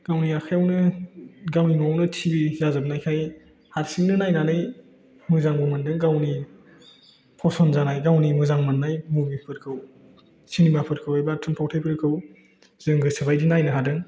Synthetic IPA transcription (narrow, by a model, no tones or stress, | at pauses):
ɡ̥awniakʰajawnɯɡawniŋuawnɯtʰibizazɯbnajkʰaj | haɾsiŋnɯnajnanɯj | mɯzaŋbumɯndɯŋɡawni | pʰɔsɔnzanajɡawnimɯzaŋmɯnːajmubipʰɯɾkʰɯw | sinimapʰɯɾ̚kʰɯwajbatʰɯmpʰawtʰajpʰɯɾkʰɯw | z̥ɯŋɡɯsbajdinajnɯɦadɯŋ